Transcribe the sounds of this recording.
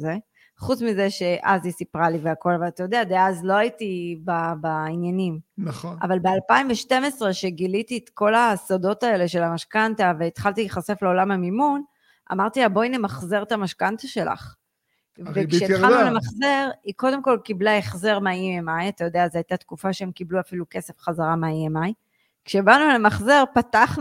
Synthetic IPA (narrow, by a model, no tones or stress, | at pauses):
ze | χut͡smize̞ʃe̞ʔazisipʁaliveako̞lavalat̪ajo̞d̪ead̪eaazlo̞aitibabainjanimna̰valbe̞alpaimveʃte̞mesʁe̞ʃe̞ɡilitiet̪ko̞lasodo̞tae̞le̞ʃe̞lamaʃkantave̞ːt̪χalt̪iχase̞fleo̞lamamimun | ʔa̰maʁt̪iabo̞jnemaχze̞ʁt̪amaʃkantaʃe̞la̰χ | vekʃet̪χalnulemaχze̞ʁiko̞de̞mko̞lkiblaeχze̞ʁmeaiemajat̪ajo̞d̪eazeajt̪at̪kufaʃeemkibluafiluke̞se̞fχazaʁameaiemaj | kʃebanulemaχze̞ʁpataχn